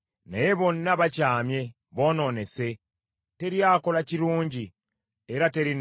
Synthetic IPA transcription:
neje̞βo̞nːaβacaːmje̞ | βo̞ːno̞ːne̞se̞ | te̞ɾjaːko̞laciɾuːɲɟi | eɾate̞ɾin

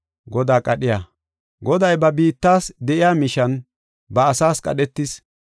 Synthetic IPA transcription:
ɡɔd̪aːkʼɐɗɪja | ɡɔd̪ɐjbɐbiːt̪ːaːsd̪ɛʔɪjaːmɪʃɐn | bɐːsaːskʼɐ̰ɗɛt̪ːɪs

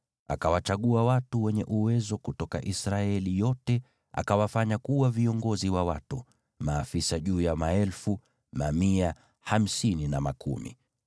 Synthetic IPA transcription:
akawat͡ʃaɠuawatuwɛɲɛʔuwɛzɔkutɔka̰ʔisɾaɛlijɔtɛ | a̰kawafaɲakuwaviɔŋɡɔziwawa̰tu | maːfisaʄuːjamaɛlfu | mamia | ham̩sininamakʰṵmḭ

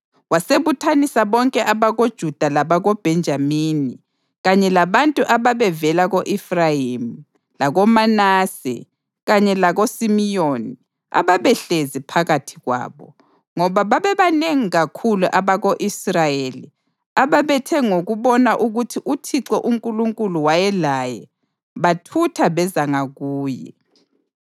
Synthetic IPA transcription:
waseβutʰanisaβɔŋkʼɛʔaβaɣod̥ʒ̥ʱud̥ʱalaβaɣob̥ʱɛnd͡ʒʱamini | ɣaɲɛlaβantʼuʔaβaβɛvɛlaɣoʔifrajim̩ | laɣɔmanaːsɛ̰ | ɣaɲɛlaɣosimijoni | a̰βaβɛɬezipʰaɣatʰiɣwa̰ːβɔ̰ | ŋɔβaβaβɛβaneŋiɣakʰuluʔaβaɣoʔisrajeli | aβaβɛtʰɛŋoɣuβɔnaʔuɣutʰiʔutʰiǀɔʔuŋkʼuluŋkʼuluwajɛlajɛ | βatʰutʰaβɛzaŋaɣuːjɛ̰

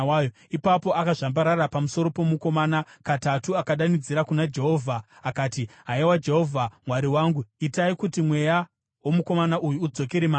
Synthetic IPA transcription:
jo | ipapo̞ʔakaʐambaɾarapamuso̞ɾo̞po̞muko̞maːnakatatuakaɗanid͡ziɾakunad͡ʒe̞ɦo̞ːvʱaː | kaːtiɦaewad͡ʒe̞ɦo̞vʱamwaɾiwaːŋɡuitaikutimwe̞ja | womuko̞manaʔujuːd͡zo̞ke̞ɾemaː

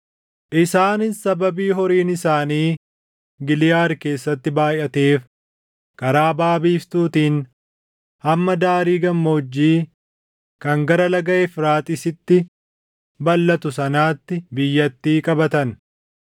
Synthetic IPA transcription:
ʔɪsaːnɪnsɐbɐbiːɦɔɾiːnɪsaːniː | ɡɪlɪjaːɾke̞ːsːɐt̪ːɪbaːjɐt̪e̞ːf | kʼɐɾaːbaːbiːft̪uːt̪iːn | hɐmːɐd̪aːɾiːɡɐmːoːd͡ʒːiː | kɐŋɡɐɾɐlɐɡɐʔɛfɾaːt̪ʼɪsɪt̪ːɪ | bɐlːɐt̪ʊsɐnaːt̪ːɪbɪjːɐt̪ːiːkʼɐbɐt̪ɐn

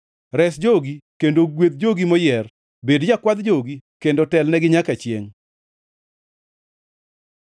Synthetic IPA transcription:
ɾɛsd͡ʒoɡikendoɡwet̪̚d͡ʒoɡimɔjɛr | bedd͡ʒakwad̪d͡ʒoɡikendotɛlnɛɡɪɲakat͡ʃjeŋ

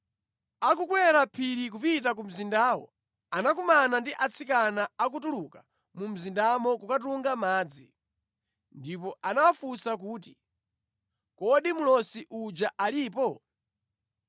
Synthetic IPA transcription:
akukwɛɾapʰiɾik̬upitak̬um̩zindaːwɔ̰ | anak̬umanandiʔat͡sʰikanaak̬utuluka | mum̩zindamɔkukat̬uŋɡamaːd͡zḭ | ndipɔʔanawafusak̬uːt̬i | kɔɗimulɔsiʔud͡ʒaʔaliːpɔ

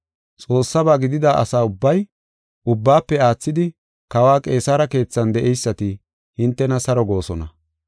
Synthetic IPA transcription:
t͡sʼo̞ːsːɐbaːɡɪd̪ɪd̪aːʔɐ̰saːʊbːɐj | ʊbːaːpːɛaːt͡sːɪd̪ɪ | kɐwaːkʼe̞ːsaːɾɐke̞ːt͡sːɐnd̪ɛʔɛjsːɐt̪ɪ | hɪnt̪ːɛnɐsɐɾɔɡo̞ːsɔnɐ̰

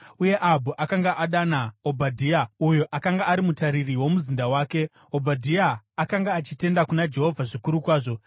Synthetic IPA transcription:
uje̞ʔabʱuʔakaŋɡaʔaɗanaobʱadʱiaujoʔakaŋɡaːɾimutaɾiriwo̞muzindawaːke̞ | obʱadʱiaːkaŋɡaːt͡ʃite̞ndakunad͡ʒe̞ɦo̞vʱaʐikuɾukwaːʐo̞

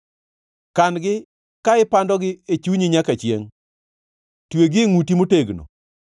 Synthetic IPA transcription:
kanɡɪ | kaɪpandɔɡɪet͡ʃuɲiɲakat͡ʃjḛŋ | tweɡɪŋutimoteɡno̰

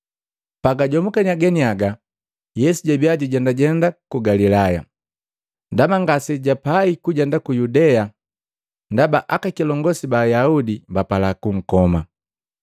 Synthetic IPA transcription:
paɡaɟɔmukaniaɡɛniaɡa | jɛsuɟabiaɟuɟɛndaɟɛndakuɡalilaja̰ | ndamaŋɡasɛɟapaikuɟɛndakujudɛa | ndabaʔakakilɔŋɡɔsibajaudimbapalakuŋ̩kɔma̰

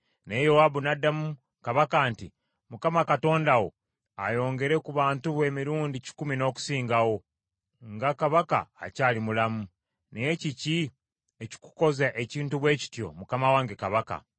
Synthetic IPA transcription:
nejo̞wabunadːamu | kaβakaːnti | mukamakato̞ːndawo̞̰ | a̰jo̞ːŋɡe̞ɾe̞kuβaːntuβwe̞ːmiɾuːndici̥kumino̞ːku̥siːŋɡawo̞ | ŋɡakaβaka̰ːcaːlimulamu | neje̞cici | eci̥ku̥ko̞zaʔe̞ciːntuβwe̞ːci̥tjo̞̰mukamawaːŋɡekaβaka̰

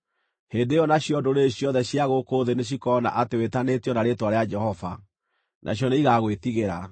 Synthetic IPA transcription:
heːndeɔnaɕjɔdoɾeɕjɔðɛɕjaɣokoðeneɕ̬ikɔna̰ʔatewetanetjɔnaɾetwaɾead͡ʒɛhɔva | nʔa̰ɕ̬jɔneiɣaɣwetiɣeɾa

